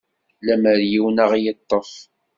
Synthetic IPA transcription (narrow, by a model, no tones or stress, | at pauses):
læməɾjiwnəʁjət̪ˤːəf